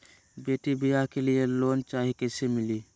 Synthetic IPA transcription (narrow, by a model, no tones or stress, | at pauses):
beːʈibijakelijeloːnt͡ʃaːɦikesemɪli